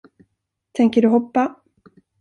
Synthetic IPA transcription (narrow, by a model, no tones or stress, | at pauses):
t̪ʰɛŋkəɖɵɦɔpːa